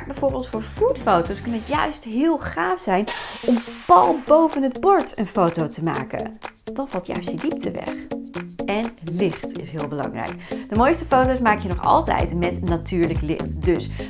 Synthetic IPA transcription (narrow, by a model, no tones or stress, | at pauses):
bɛjv̥ʊːɹbɪːlˠtfʊːɹv̥utfowtowskɵnənətjœɥstɦɪːlˠχaːfsɛjnɔmpɑlˠbowvənɦəd̚bɔɹtənfowtowtəma̰ːkə̰nd̥ɑnvɑlˠtjœ̰ɥstidip̚tʰəʋɛ̰χ | ɛnlɪχtɪ̰sɦɪːlˠbəlɑ̰ŋrɛ̰jkd̥əmojstəfowtowsmaːkjənɔχɑ̰lˠtɛ̰jtmɛtnatyːɹləklɪ̰χtdɵs